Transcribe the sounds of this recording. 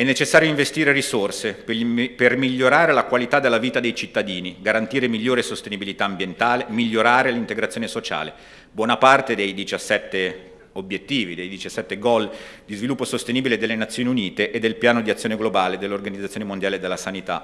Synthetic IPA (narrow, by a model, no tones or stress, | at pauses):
ɛnːet͡ʃesːaːɾjoiɱvest̪iːɾerisorseppermiʎːoɾaːɾelakwalit̪ad̪elːaviːt̪ad̪ejt͡ʃit̪ːad̪iːniɡaɾant̪iːɾemiʎːoːɾesost̪enibilit̪aːmbjent̪aːlemiʎːoɾaːɾelint̪eɡɾat̪sjonesot͡ʃa̰ːle | bwɔːnapart̪ed̪ejd̪it͡ʃasːɛt̪ːe | objet̪ːiːvid̪ejd̪it͡ʃasːɛt̪ːeɡɔld̪izvilupːosost̪eniːbiled̪elːenat̪sːjoːniuniːt̪eʔed̪ːelpjaːnod̪iat̪sjoneɡlobaːled̪elːeorɡanid̪zːat̪ːjoːnemond̪jaːled̪elːasanit̪a̰